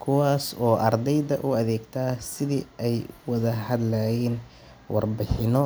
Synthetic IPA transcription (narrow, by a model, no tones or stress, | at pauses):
kʰʊwaːsɔːʔɐrd̪ɛjðɐʔʊɐðɛːɡt̪ʰaːsɪðḭːʔɛjwɐðɐhɐd̪lajɛːn | wɑ̰rbɪħɪnɔ